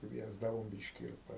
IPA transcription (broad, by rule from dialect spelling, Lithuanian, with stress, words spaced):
ˈkʋʲiɛzdɐʋoːm ˈbʲɪʃʲkʲɪ ɪr